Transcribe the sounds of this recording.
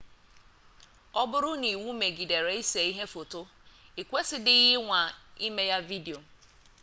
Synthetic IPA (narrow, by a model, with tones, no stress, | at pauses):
ɔ˦bʊ˦ɾʊ˦ni˨wu˦me˨ɡi˨de˨ɾe˨˦i˦se˨i˦ɦe˦fo˨to˦ | i˨kʷe˦sɪ˦dɪ˦i˦ɦɪ˦ŋʷa˨i˦me˦ja˦vi˦de˨o˨